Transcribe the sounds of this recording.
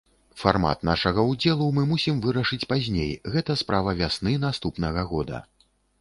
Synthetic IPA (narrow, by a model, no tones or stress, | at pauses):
farma̰t̪naʂɐɣɐwd͡zʲɛlˠumɨmusʲimvɨɾɐʂɨt͡sʲpazʲnʲḛjɣɛt̪ɐspɾʔavɐvʲasnɨnast̪upnɐɣɐɣɔd̪ɐ̰